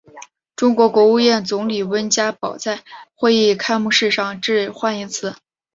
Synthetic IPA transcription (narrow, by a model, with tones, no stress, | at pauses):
ʈ͡ʂʊ˥ŋkwɔ˧˥kwɔ˧˥u˥˧jɛ˥˩nt͡sʊ˧˥ŋli˨˩wə˥nt͡ɕja˥pɑ˨˩ʊt͡sa˥˩ɪxwe˥˧ɪi˥˩kʰa˥ɪmu˥˧ʂɻ̩˥˧ʂɑ˥˧ŋʈ͡ʂɻ̩˥˧xwa˥˩ni˧˥t͡sʰɹ̩˧˩˥